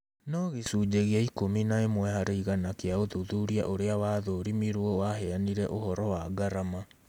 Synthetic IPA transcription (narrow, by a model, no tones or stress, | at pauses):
nɔɣesuːd͡ʑeɣeaikominaemwɛhaɾeiɣanakeaoðuðuɾia̰ʔoɾeawaðoːɾimiɾwɔwaɦɛaniɾɛʔohɔɾɔwaɡaɾama